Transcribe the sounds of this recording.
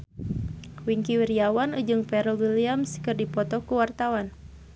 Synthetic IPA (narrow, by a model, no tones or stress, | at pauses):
wiŋkiwiɾiawanud͡ʒɨŋpɛɾɔwiliamskɨrdipɔt̪ɔkuwart̪awan